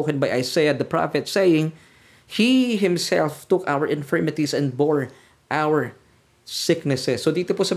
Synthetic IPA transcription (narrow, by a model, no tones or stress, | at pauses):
okɛ̃nbajʔajsejɐd̪ɐpɹɑ̰fɛt̪sejɪ̃ŋ | hiɦɪ̃msɛ̰lft̪ʊkawəɹʔɪ̃nfɛɹmɪt̪isɛ̃nd̪̚bɔɹ | ʔawəɹ | sɪknɛsɛsːod̪iːt̪opʊsɐ